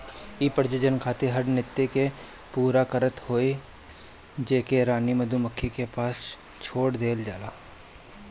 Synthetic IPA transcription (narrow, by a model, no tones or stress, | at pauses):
iːpəɾd͡ʒəd͡ʒənkʰaːt̪eɦəɾnɪt̪ːeke | puːɾakəɾət̪hoːe | d͡ʒeːkeɾaːniməd̪ʱuməkʰːikepaːs | t͡ʃʰoːɽd̪eːld͡ʒaːlaː